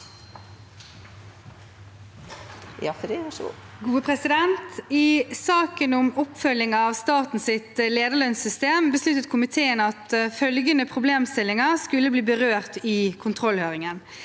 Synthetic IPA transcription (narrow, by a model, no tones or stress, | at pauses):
fɑ̰ | ɡuːəpʰʁɛsɪd̪ɛnt̪ɪsɑːkənʊmɔpfœlɪŋɑːʋst̪ɑːt̪n̩sɪt̪leːd̪əɭœnsʏst̪eːmbəslʉt̪ət̪kʰʊmɪt̪ʰeːənəɑt̪fœlɡənəpʰʁʊbleːmst̪ɪlːɪŋɑskʉlːəbliːbəʁøːʁt̪ɪkʰʊnt̪ʰʁɔlhøːʁɪŋən